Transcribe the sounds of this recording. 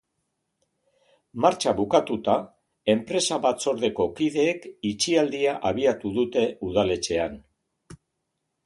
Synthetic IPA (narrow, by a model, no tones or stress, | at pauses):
maɾt͡ʃaβukat̪ut̪a | e̞mpɾe̞saβat͡so̞ɾðe̞ko̞kiðe̞ːkit͡ʃiald̪iaʔaβ̞iat̪uðut̪e̞uðale̞t͡ʃe̞an